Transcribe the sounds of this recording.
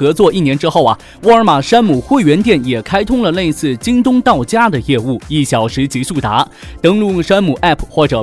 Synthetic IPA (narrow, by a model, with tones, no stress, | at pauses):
ɤ˧˥t͡swɔ˥˧i˥˩njɛ˧˥nʈ͡ʂɻ̩˥xo˥˩ʊɐ̰˩ | wu˧˥ə˞˧˥ma˨˩ʂa˥nmu˨˩xwe˥˩ɪɥɛ˧˥nt̪jɛ˥˩njɛ˨˩kʰa˥ɪt̪ʰʊ˥ŋlə˨le˥˧ɪsɹ̩˥˩t͡ɕi˥ŋt̪ʊ˥ŋt̪ɑ˥˩ʊt͡ɕja˥d̪ə˨jɛ˥˧u˥˩i˥˩ɕjɑ˨˩ʊʂɻ̩˧˥t͡ɕi˧˥ʂu˥˩t̪a˧˥t̪ɤ˥ŋlu˥˩ŋʂa˥nmu˨˩ʔa˥˩pʰxwɔ˥˩ʈ͡ʂɤ˨˩